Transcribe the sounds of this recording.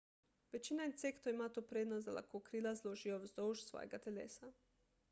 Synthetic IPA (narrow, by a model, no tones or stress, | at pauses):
ʋet͡ʃinaint̪sekt̪oimat̪opɾed̪nozd̪ala̰kokɾilazlˠoʒioʋzd̪ouʒsʋo̰jeɡat̪elḛːsa